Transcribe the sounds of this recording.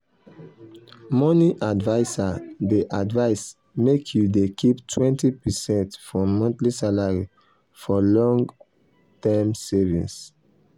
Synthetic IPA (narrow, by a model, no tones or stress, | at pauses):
mɔniʔadvaɪsadeʔadvaɪs | mekʰjudekʰiptʰwɛ̃ntipɛsɛ̃ntfɹɔ̃mɔ̃ntlisalaɹi | fɔlɔ̃ŋɡ | tɛmsɛvḭ̃s